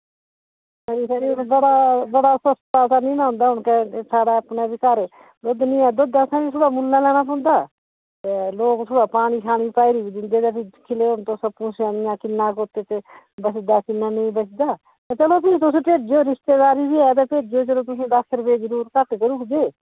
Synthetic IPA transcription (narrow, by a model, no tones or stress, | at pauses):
səɾiːsəɾĩːbəɽaːbəɽaːsəst̪aːt̪aːnĩːnãːɦʊ̃nd̪aːʊnkɛsaːɽaːəpnaːbiːkəɾ | d̪ʊd̪nĩːɛːd̪ʊd̪aːsãːĩːsʊɽaːmʊlːãːlɛːñãːp̬ɔ̃ːnd̪aː | t̪eloːksʰʊɽaːpaːɽ̃iːkʰaːɽ̃iːpaːiɾiːbiːd̪ɪnd̪eːt̪aːpʰɪkʰɪleːʊnt̪õːsəbpũːsanjãːkɪnːaːkoːt̪eːt̪eː | bət͡ʃd̪aːkɪnːaːnəĩːbət͡ʃd̪aː | t̪ãːt͡ʃəloːpʰɪt̪ʊsẽːpeːʈd͡ʒoːɾɪʃt̪eːd̪aːɾiːbiːɛːt̪̬ãːpeːʈ̚d͡ʒoːd͡ʒəlõːt̪ʊsẽːd̪aːkʰəɾbeːd͡ʒəɾuːɾkət̪k̪eːɾʊkd̪eː